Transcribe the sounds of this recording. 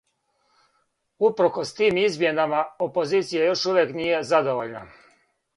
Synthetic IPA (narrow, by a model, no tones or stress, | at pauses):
upɾ̩ko̞st̪iːmizmjenamaopo̞ziːt̪sijajo̞ʃuʋjeknije̞zad̪oʋo̞ʎna̰